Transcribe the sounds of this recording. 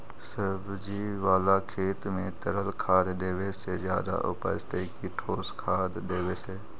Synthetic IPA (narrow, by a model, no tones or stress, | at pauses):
səbʱd͡ʒiʋaːlakʰeːt̪mẽt̪əɾəlkʰaːd̪d̪eːwesed͡ʒjaːd̪a̰ʔʊ̰pə̰st̪ekiʈʰoːskʰaːd̪d̪eːweseː